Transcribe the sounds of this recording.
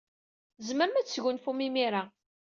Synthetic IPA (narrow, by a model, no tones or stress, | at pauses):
zməɾmæt͡sːʝʊnfumimiɾa